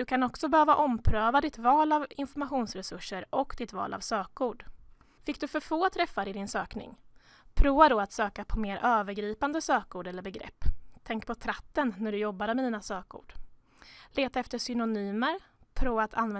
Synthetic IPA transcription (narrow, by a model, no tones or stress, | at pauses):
d̪ɵkʰanɔksɔbɛhøːvaʔɔmpʰɾøːvad̪ɪt̪vɑːlavɪnfɔɾmaɧuːnsɾɛsɵʂːəɾʔɔkd̪ɪt̪vɑ̰ːla̰vsøːkuːɖ | fɪkːd̪ɵfœɾfoːt̪ʰɾɛfːaɾɪd̪ɪnsøːknɪ̰ŋ | pʰɾuːvad̪ɔat̪søːkapʰɔmeːɾʔøːvəɾɡɾiːpand̪əsøːkuːɖɛlːəɾbɛɡɾɛ̰pːt̪ʰɛŋk̚pʰɔt̪ʰɾat̪ːənːæɖɵjɔbːad̪əmɛd̪iːnasøːkṵːɖ̥ | leːt̪aɛft̪əʂʏnʊnyːməɾ | pʰɾuːvat̪ʰanvɛ